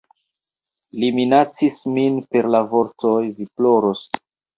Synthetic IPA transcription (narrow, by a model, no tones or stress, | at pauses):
liminat͡sisminpe̞ɾlavo̞ɾto̞jviplo̞ɾos